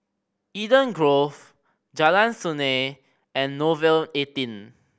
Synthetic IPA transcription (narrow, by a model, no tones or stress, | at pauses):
idə̃nɡɹov | d͡ʒalãnsune | ɛ̃nːovɛletĩn